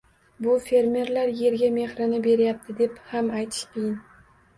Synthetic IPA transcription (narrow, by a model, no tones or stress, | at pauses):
bʊfe̞ɾmʲe̞ɾlaɾje̞ɾɡʲame̞hɾɪnɪbe̞ɾɪjap̚t̪ʰɪd̪e̞phamajt̪ʰɪ̥ʃqʰɨjɪn